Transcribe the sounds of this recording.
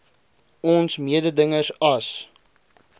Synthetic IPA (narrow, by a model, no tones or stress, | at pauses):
ɔnsmiədədəŋəsɐs